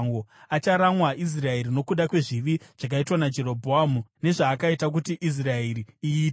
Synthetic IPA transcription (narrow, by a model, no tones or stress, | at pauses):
ŋɡoat͡ʃaɾamwaʔis̬rae̞ɾino̞kuɗakwe̞ʐiʋiʐ̥ak̬aitwanad͡ʒe̞ɾo̞bʱoamune̞ʐaːkaitak̬utiʔis̬rae̞ɾiiiːt